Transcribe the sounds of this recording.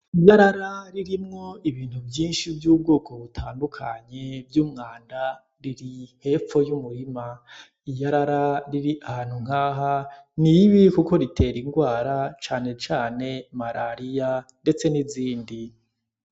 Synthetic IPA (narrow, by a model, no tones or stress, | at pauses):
ijaɾaɾaɾiɾimŋo̞iβiːn̥uvjiːnʃivjuːb̚ɡoːkʰo̞βutʰaːndukʰaɲe̞vjuːmŋaːnda | ɾiɾihe̞ːfo̞jumuɾima | ijaɾaɾaɾiɾiʔahaːn̥huŋ̥aːɦaniβikuko̞ɾitʰe̞ɾiŋɡwaːɾat͡ʃaːne̞t͡ʃaːne̞maɾʔaɾijande̞t͡se̞niziːndi